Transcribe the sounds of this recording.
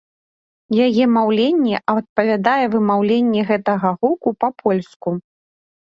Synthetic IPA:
jajɛmawlʲenʲːɛʔɐt̪̚pɐvʲad̪ajɛvɨmawlʲenʲːɛɣɛt̪ɐɣɐɣukupɐpʰɔlʲsku

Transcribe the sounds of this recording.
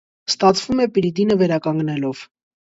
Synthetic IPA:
st̪ɑt͡sʰv̥umɛpiɾid̪inəvɛɾɑkɑŋɡnɛlɔv̥

